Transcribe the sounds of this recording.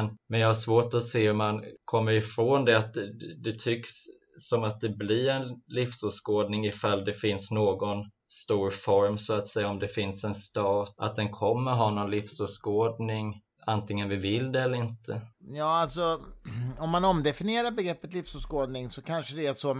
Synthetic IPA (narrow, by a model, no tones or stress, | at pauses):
nmɛnjɑhaʂvoːʈɔseːhɵmankʰɔmːəɾɪfɾoːnd̪ɛat̪d̪ɛt̪ʰʏksː | ɔmat̪̚d̪ɛblɪɾɛnlɪfsʉskoːd̪nɪŋɪfald̪ɛfɪnsnoːɡɔn | st̪uːɾfɔɾmsɔat̪sɛjːaɔmd̪ɛfɪnsɛnst̪ɑːt̪a̰t̪̚d̪ɛnkʰɔmːəɾɦɑːnɔnlɪfsʉskoːd̪nɪŋant̪ɪŋːənvɪvɪld̪ɛɛlːəɾɪnt̪ʰəjɑːalsɔ | ɔmːanɔmd̪ɛfɪnɪjeːɾaɾbɛɡɾɛpːət̪lɪfsʉskoːd̪nɪŋsɔkʰanʂəd̪ɛæsɔ